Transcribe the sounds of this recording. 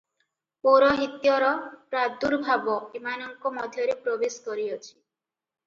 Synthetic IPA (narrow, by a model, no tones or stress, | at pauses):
poɾɔɦit̪jɔɾɔpɾad̪uɾbʱabɔimanɔŋkɔmɔd̪ʱjɔɾepɾɔbeskɔɾiɔt͡ʃʰi̥